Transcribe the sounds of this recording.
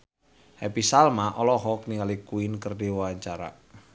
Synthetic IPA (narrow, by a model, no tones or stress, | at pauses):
hɛpisalmaʔɔlɔɦɔkniŋalikuinkərdewawaɲt͡ʃaɾa̰